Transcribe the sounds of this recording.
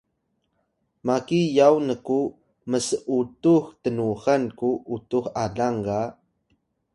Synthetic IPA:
makijawnəku | məsəʔutuxtənuɣankuʔutuxaɮaŋɡa

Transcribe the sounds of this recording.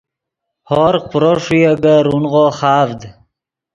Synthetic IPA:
hoɾpɾoʂujeɡaɾunʁoχɑːvd̪

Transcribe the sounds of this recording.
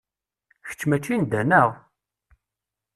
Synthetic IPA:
çə̥t͡ʃːmæt͡ʃːind̪ænəʁ

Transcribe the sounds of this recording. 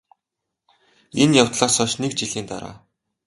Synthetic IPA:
enjaw̥t̪ɮaːsɔːʃnekt͡ɕiɮiːnt̪a̰ɾa̰ː

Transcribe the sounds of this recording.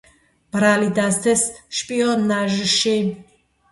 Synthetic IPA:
b̥ɾalid̪ast̪ʰesʃpʼijɔnaʒəʃen

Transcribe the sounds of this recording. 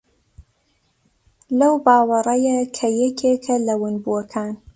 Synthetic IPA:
lɐwbaːwɐɾɐjɐkʰɐjɛkʰeːkʰɐlɐwɨnbuwɐkʰaːn

